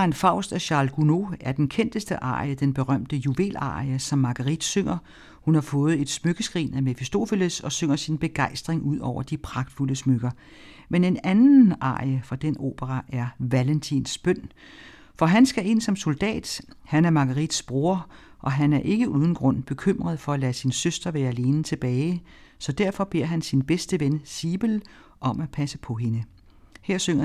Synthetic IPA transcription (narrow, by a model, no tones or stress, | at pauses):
ɑenfɑ̈ʊ̰sd̥æɕɑ̈lɡ̥uno̝æɐd̥enkʰen̰d̥əsd̥əʔɑ̰̈ːjəd̥enb̥e̝ʁɶm̰d̥əjuʋe̝̰ːlɑ̰̈ːəsɒ̽mːɑ̈ɡ̥əʁid̥søŋ̰ɐ | hunhɑ̈fɔ̽ːð̩ˠe̝d̥smøɡ̥əsɡ̥ʁḭːnæme̝fisd̥o̝feləsɒ̽søŋ̰ɐsinb̥e̝ɡ̥ɑ̈ɪsd̥ʁeŋʔuð̞̰ˠɒʊ̰ɐd̥ipʰʁɑ̈ɡ̥d̥fuləsmøɡ̥ɐ | mene̝nænn̩ɑ̰̈ːjəfʁɑ̈d̥eno̝̰ːb̥əʁɑʔæɐʋælent͡sʰinsb̥œn̰ | fɒ̽ɦænsɡ̥æe̝n̰sɒ̽mso̝ld̥ɛ̰ːd̥hænæɐmɑ̈ɡ̥ɐʁid̥sb̥ʁo̝ɐ | ʔɒ̽ɦænæɐʔe̝ɡ̥əʔuðˠn̩ɡ̥ʁɔ̽n̰b̥e̝kʰøm̰ʁɐð̞̩ˠfɒ̽ælæːsinsøsd̥ɐʋæːɐæle̝ːnət͡sʰe̝b̥ɛːɪ | sɒ̽d̥æɐ̰fɒ̽b̥e̝ɐ̰ɦænsinb̥esd̥əʋensiːb̥əl | ʔɒ̽mæpʰæsəpʰɒ̽ɦe̝nə | heɐ̰søŋɐ